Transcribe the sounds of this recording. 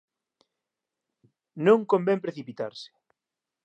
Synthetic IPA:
nõŋkombempɾeθipit̪aɾsɪ̥

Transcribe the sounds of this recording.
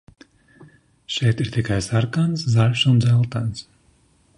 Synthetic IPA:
ʃɛjt̪iɾt̪ikajsaɾkanszalʲfʃɔnd̪zɛlˠt̪ans

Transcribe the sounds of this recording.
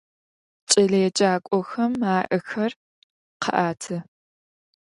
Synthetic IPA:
t͡ʃʼɐɮeːt͡ʃʼaːkʷʼɔxɐmaːʔɐxɐr | qʰɐ̰ʔaːtʰɨ

